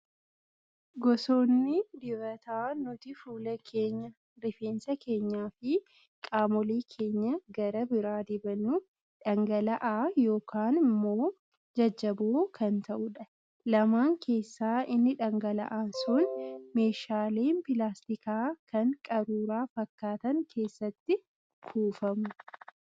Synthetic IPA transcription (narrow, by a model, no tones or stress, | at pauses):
ɡɔso̞ːnːɪd̪ɪvɐt̪aːnʊt̪ɪfuːlɐkʰe̞ːɲːɐ | ɾɪfeːnsɐke̞ːɲːaːfɪ | kʼaːmɔliːkʰe̞ːɲːɐɡɐɾɐbɪɾaːd̪ɪbɐnːu | ᶑɐŋɡɐlɐʔaːjo̞ːkʰaːnɪmːoː | d͡ʒɐd͡ʒːɐboːkʰɐnt̪ɐʔʊᶑɐ | lɐmaːŋkʰe̞ːsːaːɪnːɪᶑɐŋɡɐlɐ̰ʔaːsʊnme̞ːʃaːleːnpɪlaːst̪ɪkaːkʰɐŋkʼɐɾuːɾaːfɐkːaːt̪ɐŋkʰe̞ːsːɐt̪ːɪ | kʰuːfɐmʊ